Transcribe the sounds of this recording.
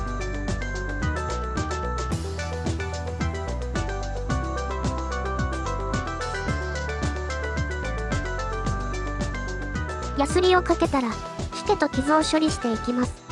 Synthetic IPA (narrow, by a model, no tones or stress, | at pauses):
jasɨɾʲio̞kake̞t̪aɾa | çi̥t̪e̞t̪o̞kʲizɯːɕo̞ɾʲiɕi̥t̪e̞ikʲimasɨ̥